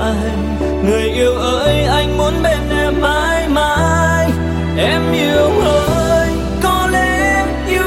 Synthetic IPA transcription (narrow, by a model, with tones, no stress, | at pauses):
a˧j | ŋɨ˨˩əjʔi˧əwʔəː˧˥jʔa˧jŋ̟mu˨˦ənɓe˧˩nʔɛ˨˩mmaː˧˥jmaː˧˥j | ʔɛ˧mʔi˧˦əwʔəː˧˦ | j | kɔ˧lɛ˧˥ | mʔi˧